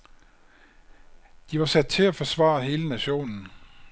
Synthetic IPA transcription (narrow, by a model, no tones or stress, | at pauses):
d̥iʋɑ̈sæd̥̚t͡sʰe̝læfɒ̽sʋɑ̰̈ɐɦe̝ːlənæɕo̝̰ːnn̩